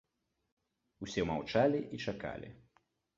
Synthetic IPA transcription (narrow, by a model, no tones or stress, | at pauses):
usʲɛmawt͡ʂalʲiʔit͡ʂaka̰lʲḭ